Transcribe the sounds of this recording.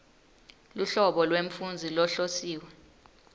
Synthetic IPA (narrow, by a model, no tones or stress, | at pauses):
luɬɔɓɔlweɱfund͡zʱilɔɬosiːwɛ